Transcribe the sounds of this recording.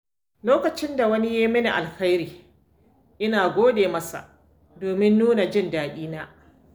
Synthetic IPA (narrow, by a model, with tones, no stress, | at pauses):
loː˦kɐ˨t͡ʃɪ˦nda˨wɐ˦ni˦jeː˦mɪ˦ni˨ʔa̰˨lxa˦jɾiː˨ | ʔɪ˦naː˨ɡʷoː˦deː˨mɐ˦sa̰˨ʔ | doː˨mɪ˦nːuː˦na˨d͡ʒɪ˦˨ndaː˨ɗʲiː˦naː˦